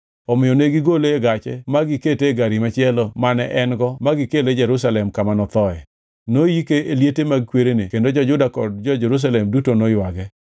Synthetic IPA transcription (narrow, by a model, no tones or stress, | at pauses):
ɔmɪjɔneɡiɡoleɡat͡ʃɛmaɡɪketeɡaɾimat͡ʃɪɛlɔmanɛʔɛnɡɔmaɡɪkeled͡ʒɛɾus̬alɛmkamanɔt̪ɔɛ̰ | nojikeʔeljetemaɡkweɾenekendod͡ʒɔd͡ʒʊdakɔd̚d͡ʒɔd͡ʒɛɾus̬alɛmdutonojwaɡɛ